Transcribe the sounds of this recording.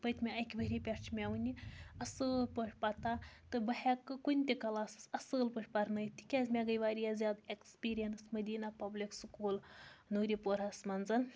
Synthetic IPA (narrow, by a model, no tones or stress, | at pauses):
bɐt̪ʲmʲeɐjkʲbɐɾʲipʲeɾt͡ʃʰmʲaʋunʲiɐsɨːlpəʂʲpɐt̪at̪ɨbɐɦekːɨkunʲt̪ʲikɐlaːsɨ̥sɐsɨːlpɨʂʲpɐɾnɐjt̪ʲi̥kʲɛzʲmʲeɡɐjʋaːɾʲijazʲjaːd̪ekspʲiːɾijɐnsmɐd̪ʲiːnapɐblikskuːlnuːɾipoɾɦɐsmɐnzɐn